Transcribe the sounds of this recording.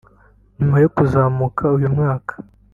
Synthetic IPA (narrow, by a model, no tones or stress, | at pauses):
nimajokuzaːmukʰaujumŋaːkḁ